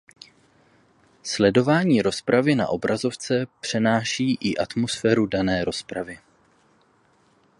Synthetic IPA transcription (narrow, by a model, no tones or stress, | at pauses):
slɛdo̞vaːɲiːɾo̞spɾavɪna̰ʔo̞bɾʔazo̞ft͡sɛpr̝̥ɛnaːʃiːʔɪʔat̪mo̞sfɛːɾudanɛːɾo̞spɾavɪ